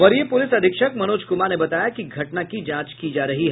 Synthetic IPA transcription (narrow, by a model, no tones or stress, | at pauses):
ʋɐɾijepʊlɪsɐd̪ʱɪkʃək̚mɐnoːd͡ʒkʊmanebɐt̪aːjakiɡʱɐʈnakid͡ʒãːt͡ʃkid͡ʒaːɾɐɦiɦɛ